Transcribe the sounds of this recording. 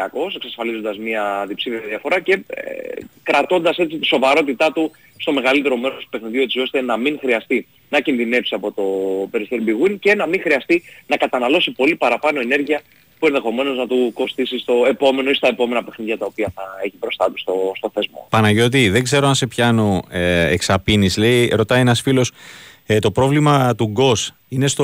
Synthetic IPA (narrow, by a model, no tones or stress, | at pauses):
ɐko̞se̞ksɐsfɐlizo̞nd̪ɐzmɐðipsiveɐðiɐfo̞ɾɐce̞ḛkɾɐt̪o̞nd̪ɐse̞t͡sit̪i̥so̞vɐɾo̞t̪it̪ɐt̪u | st̪o̞me̞ɣɐlit̪e̞ɾo̞me̞ɾost̪u̥pe̞xniðiot̪so̞st̪e̞nɐmiŋxɾiɐst̪i | nɐcinðine̞psiɐpo̞t̪o̞pe̞ɾiseɾbiɣince̞nɐmiŋxɾiɐst̪inɐkɐt̪ɐnɐlo̞sipo̞lipɐɾɐpɐnoene̞ɾʝiɐ | pue̞nðexo̞me̞no̞znɐt̪uko̞st̪isist̪o̞e̞po̞me̞no̞ist̪ɐe̞po̞me̞nɐpe̞xniðʝɐt̪ɐopiɐθɐe̞çibɾo̞st̪ɐt̪ust̪ost̪o̞θe̞zmo̞̰pɐnɐʝo̞t̪̬iðe̞ɡze̞ɾoɐnse̞pçɐno̞eeksɐpinisle̞iɾo̞t̪ɐjenɐsfilo̞st̪o̞pɾo̞vlimɐt̪uɡo̞s | ine̞st̪o